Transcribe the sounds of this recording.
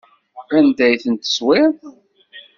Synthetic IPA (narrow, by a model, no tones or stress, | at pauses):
ænd̪æjθənt̪ə̥swɪɾ